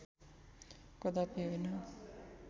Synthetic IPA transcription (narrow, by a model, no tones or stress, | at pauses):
kʌd̪apiɦojnʌ